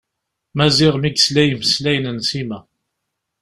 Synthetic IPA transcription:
mæzɪʁmiɡslæjmslæjənənsimæ

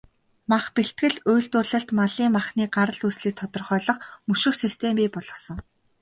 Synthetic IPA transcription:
maχpeɬt̪̚ɡɘ̆ɮʊjɮt̪ʊrɮə̆ɬt̪maɮiːmaχniːɢaɾə̆ɮusɮiːk̚t̪ʰɔt̪ɞ̆rχœːɮɞ̆χmɵʃɪ̆xsist̪ʰempiːpɔɮɞ̆sɞ̆ŋ

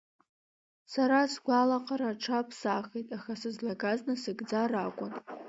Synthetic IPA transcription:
saɾasɡʷalaqʼaɾaʈ͡ʂʰapʰsaχejtʼaχasɨzlaɡaznɨsɨɡd͡zarakʷʼʊn

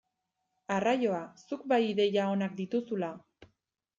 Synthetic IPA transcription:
arajo̞asukbajiðe̞jao̞nak̚d̪it̪usula

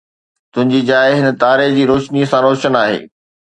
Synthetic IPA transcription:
t̪ʊ̃ɦɪ̃ɲd͡ʑiːd͡ʑaːɪɦɪnə̆t̪aːɾed͡ʑiːɾoːʃniəsãɾoːʃənaːɦḛː

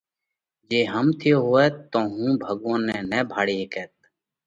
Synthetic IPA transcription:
d͡ʒeːɦəmt̪ʰɪjoːɦoːɛːt̪oːɦũːbʱəɡõːnɛːnɛːbʱaːɽiːɦekɛːt̪̚

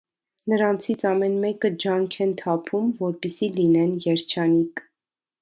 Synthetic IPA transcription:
nəɾɑnt͡sʰit͡sʰɑmɛnmɛkəd͡ʒɑŋkʰɛnt̪ʰɑpʰumvɔɾpisilinɛnjɛɾt͡ʃʰɑnik

